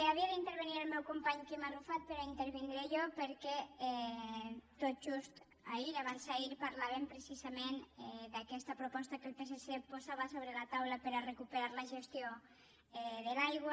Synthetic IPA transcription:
eaβiaðint̪əɾβeniɾalˠmɛwkumpaɲkemarufat̪̚peɾaint̪eɾβind̪ɾejɔpəɾkɛɛ | t̪ot̪̚ʒust̪ | aiaβansailpaɾlaβempɾesizamenɛd̪akɛst̪apɾopɔst̪akelˠpes̬esepozaβasoβɾelat̪awlapəɾarekupeɾaɾlaʒest̪jo | ɛðelajɣw

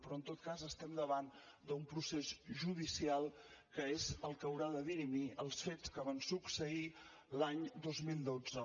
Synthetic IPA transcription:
pɾɔənt̪ot̪̚kazəst̪ɛmd̪əβan | d̪əumpɾusezʒuðisialˠ | kəezəlˠkəəwɾaðəðinimiəlˠsfet͡skəβansuksəi | laɲd̪ozmilˠd̪od͡zə

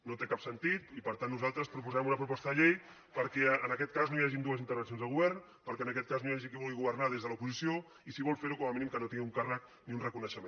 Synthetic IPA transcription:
not̪ekapsənt̪it̪ipəɾt̪anːuzalˠt̪ɾəspɾupuzaɛmunəpɾupɔst̪əðəʎej | pəɾkɛənəkɛt̪̚kaznojaʒind̪uəzint̪əɾβəns̬onzðəɣ̞uβɛrn | pəlkɛənəkɛt̪̚kaznojaʒikiβulɣiɣuβəɾnaðezðələupuzisio | isiβɔlˠfeɾukɔməminimkənot̪iŋɡiuŋkarək̚ | niunrəkunəʃəme

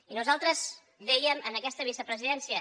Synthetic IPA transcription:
inuzalˠt̪ɾəz | ðɛjəmənəkɛst̪əβ̞isəpɾəziðɛnsiə

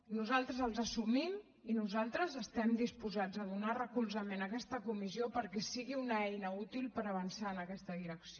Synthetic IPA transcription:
nuzalˠt̪ɾəzəlˠzəsumim | inuzalˠt̪ɾəzəst̪ɛmd̪ispuzad͡zəðunarəkulˠzəmenəkɛst̪əkumiziopəɾkɛsiɣiunəɛjnəut̪ilˠpəɾəβənsaənəkɛst̪əðiɾəksio

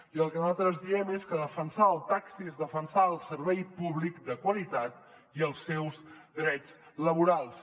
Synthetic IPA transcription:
iəlˠkənalˠt̪ɾəzðiɛmeskəðəfənsaəlˠt̪aksiezðəfənsaəlˠsərβɛjpuβlikd̪əkwəlit̪at̪ | iəlˠsɛwzd̪ɾɛd͡z | ləβ̞uɾalˠs

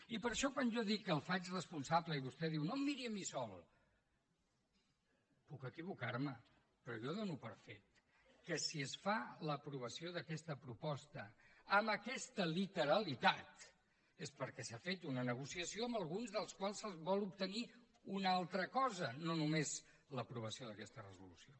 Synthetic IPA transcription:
ipəɾʃɔkwanʒɔðikːəlˠfat͡ʃrəspunsabləiβust̪ɛðiwnomːiɾiəmisɔlˠ | pukəkiβ̞ukaɾmə | pɾɔʒɔðonupəɾfet̪ | kəsiəsfaləpɾuβ̞əsioðəkɛst̪əpɾupɔst̪əːmbəkɛst̪əlit̪əɾəlit̪at̪ | espəɾkɛsafet̪unənəɣ̞usiəsioəmbəlˠɣunzðəlˠskwalˠsəzβɔlˠup̚t̪əni | unalˠt̪ɾəkɔzənonumez | ləpɾuβ̞əsioðəkɛst̪ərəzulusio

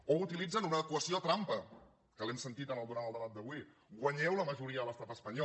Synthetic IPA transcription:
out̪ilid͡zənunəəkuəsiot̪ɾampə | kəlɛmsənt̪it̪ənəlˠd̪uɾaməlˠd̪əβat̪̚d̪əβwi | ɡwəɲɛwləməʒuɾiəðələst̪apəspəɲɔ

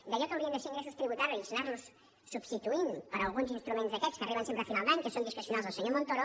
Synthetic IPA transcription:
d̪aʎot̪k̪ombẽnesĩŋɡɾɛs̬est̪ɾiβut̪aɾjuzĩsinaɾnus | subst̪it̪uinpɐɾɐalˠɣunzinst̪ɾumẽnt̪zðɐkɛt̪skɐriβɐñsempɾɐfinalˠd̪aɲkesõnd̪iskɾesjunaðzawseɲoɾmõnt̪oɾo

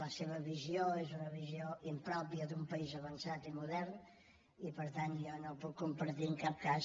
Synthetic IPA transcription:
ləseβəβizjoezunəβizjoimpɾɔpiəðumpəizəβənsat̪imuðɛɾn | ipəɾt̪ant̪jɔnopukːumpəɾt̪iəŋkap̚kas

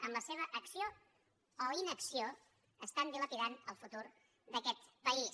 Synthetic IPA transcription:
əmləseβ̞əʔəksio | ɔinəksio | əst̪and̪ilət̪iðanəlˠfut̪uɾ | d̪əkɛt̪pəi

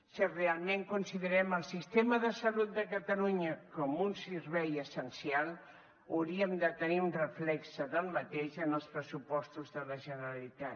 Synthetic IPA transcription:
sirealˠmeŋkunsiðəɾɛməlˠsist̪eməðəsəlut̪̚d̪əkət̪əluɲəkɔmunsiɾβɛjəsənsialˠ | əwɾiəmd̪ət̪əniunrəflɛksəðəlˠmət̪eʃənəlˠspɾəsupɔst̪uzðələʒənəɾəlit̪a

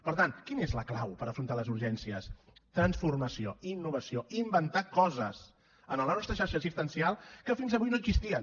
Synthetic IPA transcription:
pəɾt̪ankinezləklawpəɾəfɾunt̪aləzuɾʒɛnsiəst̪ɾənsfurməsio̰inːuβ̞əsioimbənt̪akɔzəz | ənəlˠənɔst̪ɾəʃaɾʃəsist̪ənsialˠkəfinzəβujnoəɡzist̪iən

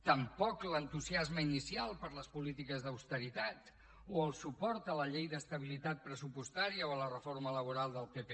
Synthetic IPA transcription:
t̪əmpɔklənt̪uziazməinisialˠpəɾləspulit̪ikəzðəwst̪əɾit̪at̪ | oəlˠsupɔɾt̪ələʎejðəst̪əβ̞ilit̪at̪̚pɾəsupust̪aɾiəoələrəfoɾmələβ̞uɾalˠd̪əlˠpepe

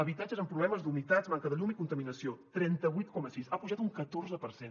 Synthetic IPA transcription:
əβit̪ad͡ʒəzəmpɾuβlɛməzd̪unit̪adzmaŋkəðəʎumikunt̪əminəsiot̪ɾɛnt̪əβujt̪̚kɔməsisapuʒat̪uŋkət̪orzəpəɾsen

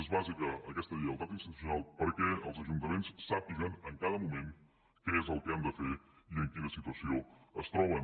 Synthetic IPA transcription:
ezβazikəəkɛst̪əðiəlˠt̪at̪inst̪it̪u̥s̬iunalˠpəɾkɛəlˠzəʒunt̪əmensːap̚iʒənəŋkaðəmumeŋ | kɛezəlˠkɛamd̪əfeiəŋkiləsit̪uəsioəst̪ɾɔβ̞ən

